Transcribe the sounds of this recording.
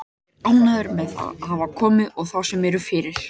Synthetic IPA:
awnaðʏɾmɛða̰ðɦaːvakʰɔːmɪðɔɣθawsɛmɛɾʏfɪːɾɪɾ̥

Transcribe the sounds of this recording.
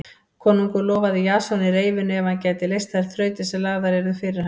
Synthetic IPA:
kʰɔːnuŋkʏlɔːvaðɪjaːsɔnɪɾeːjvɪnʏɛvhancɛːt̪ɪlejst̪aɛɾ̥θɾœːɥt̪ɪsɛmlaːɣðaɾɛɾʏfɪɾɪɾ̥ha

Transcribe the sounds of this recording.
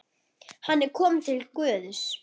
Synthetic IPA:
hanːɛɾkʰɔːmʏt̪ʰɪlkvœːðʏs

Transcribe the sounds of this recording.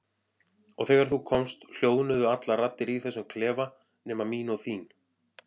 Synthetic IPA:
ɔɣθɛːɣaɾ̥θukʰɔmst̪l̥joːwðnʏðʏat̪larat̪ːɪɾiθɛsʏmkʰlɛːva | nɛːmamiːnɔθiːn

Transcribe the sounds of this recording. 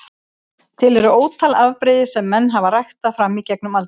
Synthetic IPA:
t̪ʰɪlɛɾʏoːwt̪ʰalavpɾɪːðɪsɛmːɛnːɦavarajxt̪afɾamːicɛk̚nʏmalt̪

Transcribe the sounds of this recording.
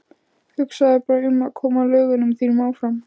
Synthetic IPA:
hʏksaðɪpaːɾaʏmːaðkʰɔːmalœːɣʏnʏmθiːɾmaːwfɾam

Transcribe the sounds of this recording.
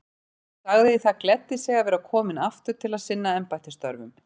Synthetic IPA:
saɣðɪθaðklɛt̪ːɪsjɛɣavɛːɾakʰɔːmɪnaft̪ʏɾ̥t̪ʰɪlaðsɪnːaɛmpajt̪ɪ̥st̪ɔ̰ɾvʏm

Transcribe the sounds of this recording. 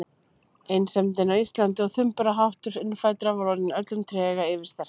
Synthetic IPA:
ejnsɛmt̪ɛnawist̪lant̪ɪɔɣθʏmpʏɾaɦawht̪ʏɾɪnːʏfaːjt̪ɾavɔlɔɾnɪnœt̪lʏmt̪ʰɾɛːɣaɪːvɪɾ̥st̪ɛɾ̥

